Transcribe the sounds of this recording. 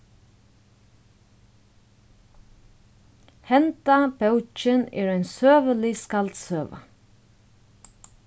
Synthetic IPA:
hɛnt̪ab̥œwt͡ʃənɛ̰ːɹæɪnsøːʋəlɪskalt̪søːʋa̰

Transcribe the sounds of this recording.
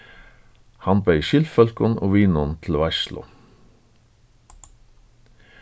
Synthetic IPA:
hɑnbœʏʃʏlfœlkʊno̰ːʋiːnɔnt̪ʰl̩ʋæʃlʔʊ̰

